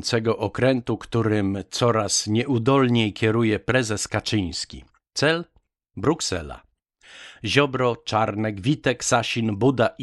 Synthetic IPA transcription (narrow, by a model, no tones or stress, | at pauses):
nt̪sɛɡɔʔɔkɾɛnt̪ukt̪uɾɘmt̪sɔɾasɲɛʔud̪ɔlɲejkʲjɛɾujɛpɾɛzɛskat͡ʂɘj̃skʲḭ | t̪sɛl | bɾuksɛ̰la̰ | ʑɔbɾɔt͡ʂaɾnɛɡvʲit̪ɛksaɕinbud̪aʔ